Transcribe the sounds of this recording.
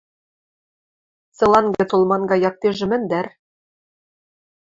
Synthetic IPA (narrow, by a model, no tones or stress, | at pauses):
t͡sɤ̆lˠɑŋɡɤ̆t̪olˠmɑŋɡɑjɑk̚t̪eʒɘ̆mɘ̆nd̪æɾ